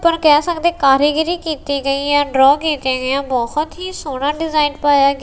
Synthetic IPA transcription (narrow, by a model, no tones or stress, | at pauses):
pəɾkɛːsəkd̪eːkaːɾiːɡɾiːkiːt̪iːɡəiːjãːɖɾɔːkiːt̪jãːɡɪjãːbɔːhʊt̪ɦiːsoːɽãːɖɪzaːɪnpaːjaːɡ